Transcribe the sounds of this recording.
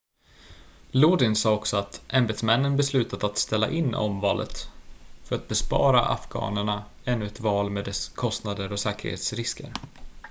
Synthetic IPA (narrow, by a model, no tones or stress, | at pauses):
luːd̪ɪnsɑːɔksɔat̪ʔɛmbɛd̪smɛnːənbɛslʉ̟ːt̪ad̪at̪st̪ɛlːa̰ʔɪnːɔ̰mvɑːlʔə̰t̪fœɾat̪̚bɛspɑ̰ːɾa̰ʔa̰fɡɑ̰ːnəɳaɛnːɵɛt̪vɑːlmeːd̪ɛskʰɔst̪nad̪əɾɔsɛːkə̰ɾhḛːt̪sɾɪskə̰ɾ